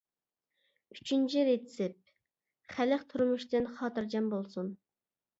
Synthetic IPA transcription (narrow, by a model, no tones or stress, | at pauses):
yt͡ʃʰynt͡ʃʰiɾet̪ɪ̥sɪp̚ | χælɪχt̪ʰuɾmuʃt̪ɨnχɑːt̪ɨɾd͡ʒɛmbolˠsun